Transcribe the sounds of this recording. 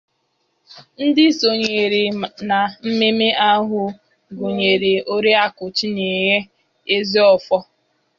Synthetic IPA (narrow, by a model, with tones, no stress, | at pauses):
n̩˦dɪ˦so˨ɲe˨ɾɪ˨na˨m̩˦me˦me˦a˦ɦʊ˦ | ɡʊ˨ɲe˨ɾɪ˨o˦ɾi˦a˦kʊ˨t͡ʃi˦ni˨ɦe˦ | e˦zi˦ɔ˦˨fɔ˦